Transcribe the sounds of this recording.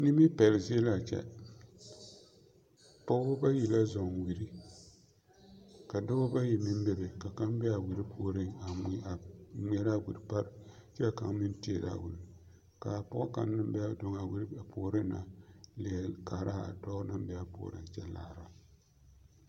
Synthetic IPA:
nɪ˦mi˦pɛ˨lzi˦e˦la˨t͡ʃɛ̰˦ | pɔ˦ʊ˦ba˦ji˨la˦zɔ˨ŋwi˨ɾi˦ | ka˨da˦bʊ˦ba˦ji˨mɪ˦m˦bɛ˦bɛ˨ka˨ka˦mbɛ˦a˨wi˨ɾi˦pʰoː˦˨ɾɪ˦ŋa˨mi˦a˨m˦ɛ˦ɾa˦wu˨ɾpa˦ɾt͡ʃɛ˦a˨ka˨ŋmɪ˦n˦ti˦e˨da̰˨wu˨l | ka˨pɔ˦ʊ˦ka̰˨n˦nɨ˦m˦bɛ˦do˨ŋa˨wi˦ɾpʰoː˨ɾɨ˦na˨li˨ka˨ɾa̰˦˨dɔ˦na˦m˦bɛ˦a˨po̰ː˦˨˦ɾɨ̰˨ŋ˨t͡ʃɛ˦la̰ː˨ɾa˨

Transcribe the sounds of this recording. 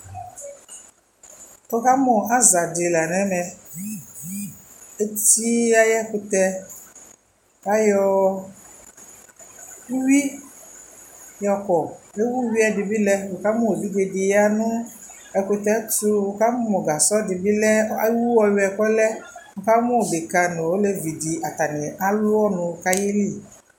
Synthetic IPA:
kɔ˦ka˦mɔ̃˨a˦za˨dɪ˨la˨nɛ̃˨˦mɛ̃˨ | e˦ti˦a˦jɛ˦kʊ˨t̪ɛ˦ | a˦jɔ˦ | u˦wi˦ | jɔ˨kɔ˨e˦wu˦wi˦a˨dɪ˨bi˦lɛ˦wo˨ka˦mɔ̃˦o˨bi˦ɡe˨di˨ja˦nʊ̃˦ | ɛ˨ku˨t̪ɛ˦tu˦wo˨ka˦mɔ˦mɔ̃˨ɡa˨sɔ˦dɪ˨bi˦lɛ˦a˦wu˦wɔ˨wi˦ɛ˨kɔ˦lɛ˦ŋ̩˨˦ka˦mɔ̃˦˨be˨ka˨nʊ̃˨wo˦le˦vi˨di˨a˨t̪a˨nɪ̃˨a˦lʊ˦ɔ˦nʊ̃˨˦ka˦je˦li˦˨

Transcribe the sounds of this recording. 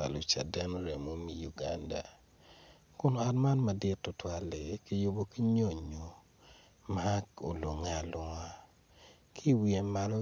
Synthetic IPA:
a̰˨lo˨t͡ʃa̰˨dɛ˦no˦ɾɛ˨mo˦mi˨ju˨ɡa˦nda̰˨ | kʊ˦no˨a˨tma˦nma˨dɪ˦tːʊ˨twa˦le˨ki˨jo˦bo˦ki˦ɲo˦˨ɲːo˨ | maa˦o˨lo˨ŋe˨˦a˨lʊ˨ŋa˦ | kʰi˦wi˨e˨ma˨lo˦

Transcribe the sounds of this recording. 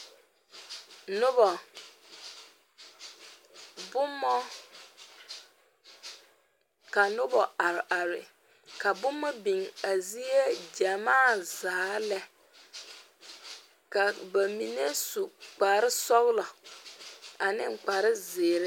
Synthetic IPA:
nʊ˦bɔ˨ | bʊ˦mːɔ˦ | ka˨nʊ˦bɔ˨a˨ɾɪ˨ʔa˨ɾɪ˨ | ka˨bʊ˦mːɔ˦bi˨ŋa˨zi˦e˦d͡ʒa˨maː˦˨za˨˦lɛ˦ | ka˨ba˨mi˨ne˦su˨k͡pa˨ɾɪ˦sɔ˦ɣlɔ˨ | a˨nɪ̰˦ŋ͡m̩˨k͡pa˨ɾɪ˦zɪː˨ɾɪ˦

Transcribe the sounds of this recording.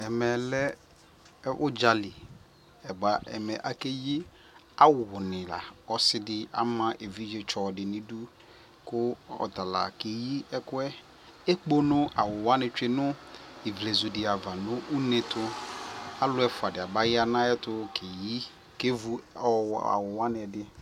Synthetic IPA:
ɛ˨mɛ˨lɛ˦ | ʔʊ˦d͡ʒa˨li˨ | ɛ˨ba˨˦ɛ̰˨mɛ˨ʔa˨ke˦ji˦ | a˦wʊ˨nɪ̃˨la̰˨ɔ˦sɪ˦dɪ˦a̰˦mã˦ʔe˨vi˦d͡ʒe˨t͡ʃɔ˨dɪ˨nɪ̃˨du˦ | kʊ˦ɔ̰˨ta˨la̰˨ke˨ji˦ɛ˦kʊ˦ɛ˦ | e˦k͡po˦nʊ̃˦a˨wʊ˨wa˦nɪ̃˨t͡ʃᶣe˦nʊ˦i˨vle˨zu˨dɪ˨a˨va˨nʊ̃˦ʔu˦ne˨tʰʊ˦a˦lʊ˦ɛ˦fʊ˨a˨dɪ˨a˨ba˦jɪ˦a˦nã˦ɛ˦tʊ˦kʰe˨ji˦ | ke˦vu˦ɔ˦˨a̰˨wʊ˨wa˦nɪ˨ɛ˨dɪ˦

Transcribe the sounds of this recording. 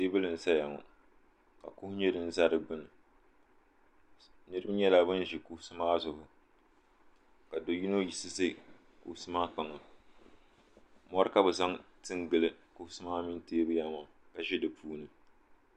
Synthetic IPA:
teː˦bɨ˦lɨ˨n̩˨sa˦ja˨ŋɔ̰˨ | ka̰˨kʊ˦hʊ˦ɲɛ˦dɨ˦n̩˦za˦ɾɨ˨ɡ͡bɨ˦nɨ˨ | nɨ˦ɾɨ˦bɨ˦ɲɛ˦la˨bɨ˦n˦ʒi˨kʊ˦hʊ˦sɨ˦maː˦zʊ˨hʊ˦ | ka˨do˨ji˦no˦ji˨sɨ˦ze˦˨ | kʊ̰˨hʊ˦sɨ˦maː˦k͡pa˨ŋɨ˨ | mɔ˦ɾɨ˦ka˦bɨ˨za˦ŋtɨ˦ŋɡɨ˨lɨ˦kʊ˦hʊ˦sɨ˦maː˦mɪ˦n˦teː˦bɨ˦ja˦ma˨ka˨ʒɛ˦dɨ˨pʰuː˦nɨ˨

